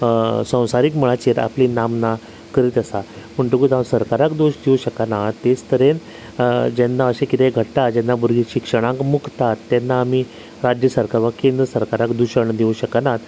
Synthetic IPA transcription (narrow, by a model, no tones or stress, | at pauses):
sə̃w̃saɾikməɭat͡ɕeɾa̰plinamna | kəɾiːt̪əsaməɳʈuɡut̪amsəɾkaɾakd̪oɕd̪iuɕəkanat̪ːest̪ʰəɾen | d͡ʑɛnːaəɕẽkit̪eɡʱəʈːad͡ʑɛnːabuɾɡiɕikʂəɽ̃ãŋkmukt̪at̪ːɛnːaːmi | ɾad͡ʑjəsəɾkaɾʋakend̪ɾəsəɾkaɾakd̪uɕəɳd̪iũɕəkanat̪